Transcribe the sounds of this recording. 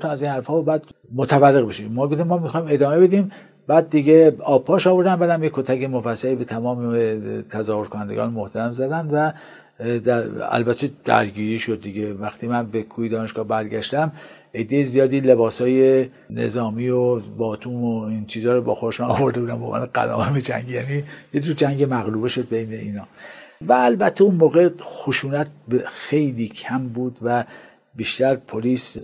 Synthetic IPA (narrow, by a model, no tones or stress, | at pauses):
t̪ʰænæziːnhæɾfhɒːbæːd̪̥ | mot̪ʰævælːeɣbeʃimɒːɡoft̪imːɒːmixɒːime̞d̪ɒːme̞be̞d̪im | bæːd̪̚ːiɡeɒːb̚pʰːɒːʃɒːvo̞ɾd̪æmbæd̪æmjekʰːot̪ʰækemofæsːælibe̞t̪ʰæmɒːmet̪ʰæzɒːhoɾkʰonænd̪eɡɒ̰ːnmoht̪ʰæɾæmzæd̪ænd̪væ | d̪ææ̰lbæt̪ʰːed̪̥æ̰ɾɟiːɾiːʃod̪ːiɟevæxt̪ʰiːmænbekʰuːjed̪ɒːneʃɡɒːhbæɾɟæʃt̪æm | e̞d̪ːejezijɒːd̪iːle̞bɒːsɒːje̞ | ne̞̰zɒːmiːobɒːt̪ʰuːmoint͡ʃʰiːzɒːɾobɒ̰ːxod̪eʃnɒ̰ːvo̞ɾd̪ebuːd̪æmbo̰ːmæ̰ːneɡæ̰lɒ̰ːmæmed͡ʒæ̰ŋɡjæːnijekd͡ʒud͡ʒæŋɟemæɣluːbeʃo̞d̪̚bejne̞iːnɒːvæːlbæt̪ʰːeunmoːɣexoʃuːnæt̪̚ʰbxe̞jliːkʰæmbuːd̪væ | biːʃt̪æɾpʰoliːs